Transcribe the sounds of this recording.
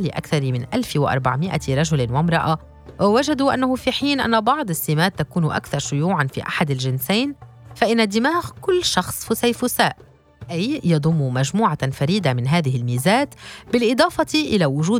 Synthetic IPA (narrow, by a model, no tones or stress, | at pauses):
lɪʔa̰kθɑɾˤmɪnʔalfɪwɪʔɑ̰ɾˤbaʕmɪʔa̰ɾˤɑʒʊlnwamɾˤɑʔa | waʒad̪uʔa̰nːahʊfiħiːnʔa̰nːabɑʕd̪ˤɪsːɪmaːt̪ːakuːnʔa̰kθɑɾˤʃʊjuːʕanfḭːʔa̰ħad̪alʒɪnsaːn | faʔɪnːad̪ːɪmaːɣkʊlːʃɑxsˤfʊsajfʊsaːʔ | ʔajjɑd̪ˤʊmːumaʒmuːʕafaɾiːd̪amɪnɦaːðɪɦɪlmiːzaːt̪bɪlʔɨd̪ˤɑːfɑt̪iʔɪlawʊʒuː